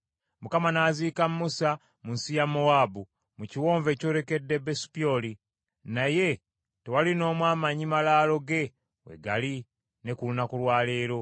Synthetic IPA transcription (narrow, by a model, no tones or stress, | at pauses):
mukamanaːziːkammusa | munsijamoabu | muciwoːɱve̞co̞ːɾe̞ke̞dːebesi̥pio̞li | naje̞ | te̞walino̞ːmwaːmaɲimalaːlo̞ɡe̞ | we̞̰ɡali | ne̞kulunakulwaːle̞ːɾo̞